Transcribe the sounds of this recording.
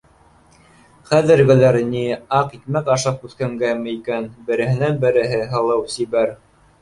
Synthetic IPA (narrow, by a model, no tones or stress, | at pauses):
χæðɘ̆ɾɡɘ̆læɾniɑqit̪mækɑʃɑp̚ʉθkæŋɡæmɘikænbɘ̆ɾɘ̆hɘ̆nænbɘ̆ɾɘ̆ɦɘɦɤ̆lˠɤwsiβæɾ